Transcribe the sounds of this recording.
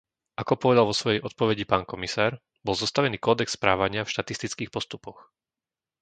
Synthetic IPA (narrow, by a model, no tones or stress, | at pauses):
ʔakɔpɔʋɛd̪alʋɔsʋɔjɛjʔɔt̪̚pɔʋɛɟipaːnkɔmisaːɾ | bɔlˠzɔst̪aʋɛniːkɔːd̪ɛksspɾaːʋaɲɪafʃt̪at̪ist̪it͡skiːxpɔst̪upɔx